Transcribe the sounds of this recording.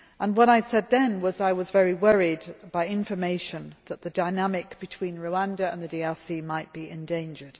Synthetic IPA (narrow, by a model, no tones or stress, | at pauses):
ʔə̃nwʌɾaɪsɛd̪̚ðɨ̃nwʌzaɪwʌzvɛɹiwɜɹidb̥aɪɪ̃ɱfə˞meɪʃɨ̃nðəʔ̪̚ðɨdaɪnamɪkb̥ɨtʰw̥ĩnɹoʊæ̃ndɨə̰̃nðɨdiɛlsimaɪt̚b̥iɨ̃ndẽɪ̃nd͡ʒəd̥